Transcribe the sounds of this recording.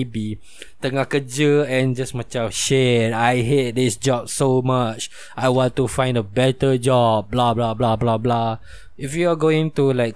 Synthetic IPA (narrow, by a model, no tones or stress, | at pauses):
bi | t̪əŋahkəd͡ʒəɛ̃nd͡ʒasmat͡ʃãʃɛdajɦet̚disd͡ʒɔb̚somat͡ʃ | ʔajwɔ̃ntufãj̃ndəbɛtəd͡ʒɔb̚blablablablabla | ifjuaɡoĩŋtulaɪk̚